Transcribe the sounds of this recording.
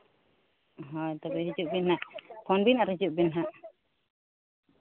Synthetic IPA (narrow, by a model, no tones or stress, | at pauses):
ɦɔjt̪abɛɦid͡ʒuʔbinɦaʔpʰɔnbinaɾhid͡ʒuʔbinɦaʔ